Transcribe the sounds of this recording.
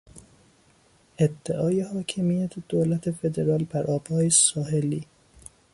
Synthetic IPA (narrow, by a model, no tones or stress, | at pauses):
ʔed̪ːeʔɒːjehɒːcʰemijæt̪ʰed̪̥oːlæt̪ʰefe̞d̪eɾɒːlbæɾʔɒːb̥hɒːjesɒːɦeliː